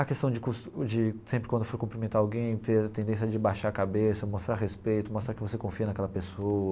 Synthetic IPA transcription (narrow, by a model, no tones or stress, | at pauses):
ɐkest̪ɐ̃w̃d͡ʒɪkust̪ʊd͡ʒɪsẽpɾɪkwɐ̃d̪ʊfoɾkũpɾimẽnt̪aawɡẽj̃t̪eɾɐt̪ẽnd̪ẽs̬jɐd͡ʒɪbajʃaɾɐkabesɐmost̪ɾaɾɦespejt̪ʊmost̪ɾaɾkɪvosekõfiɐnɐkɛlɐpesoɐ